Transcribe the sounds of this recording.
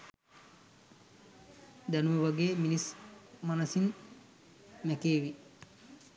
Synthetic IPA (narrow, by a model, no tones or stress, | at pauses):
d̪anumeʋaɡeːminismanɐsin | mɛkeːʋi